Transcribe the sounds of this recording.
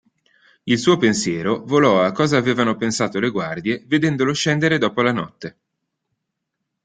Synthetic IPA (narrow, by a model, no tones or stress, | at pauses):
ilsuːopensjɛːɾovolɔakːɔːzaːveːvanopensaːt̪oleɡward̪jeved̪ɛnd̪oloʃɛnd̪eɾed̪ɔːpolanɔ̰t̪ːe